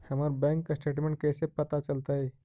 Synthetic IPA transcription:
hamaɾbɛ̃ŋkːasʈeʈmẽɳʈ̚kesepət̪at͡ɕəlt̪ae

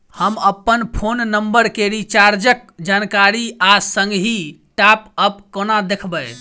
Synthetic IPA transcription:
həməpːənpʰonːəmbəɾkeɾit͡ʃaɾd͡ʒək̚d͡ʒankaɾiasəŋɡɦi | ʈapəpkonad̪ekʰbəj

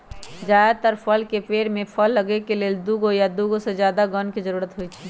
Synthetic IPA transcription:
d͡ʒaːet̪əɾpʰəlkepeːɾmẽpʰəlːəɡekeleːld̪uːɡojad̪uːɡosezjaːd̪aɡɔnkizəɾuːɾət̪ɦoit͡ʃʰi

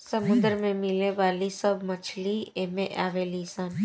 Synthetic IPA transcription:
sɐmʊ̃nd̪əɾmẽmɪleʋaːlisɐbmɐt͡ʃʰliemẽʔaːʋelisən

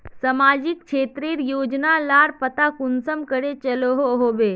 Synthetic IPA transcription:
səmaːd͡ʒɪk̚ʃeːt̪ɾiːɾjoːd͡ʒnalaːɾpət̪akʊnsəmkəɽet͡ʃəloɦoɦoːbeː

